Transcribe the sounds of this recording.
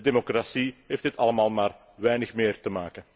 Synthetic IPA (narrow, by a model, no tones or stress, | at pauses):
demokrasiɦeːftɪtɑləmaːlˠmaːr | ʋɛjnəxmɪːrtəmaːkən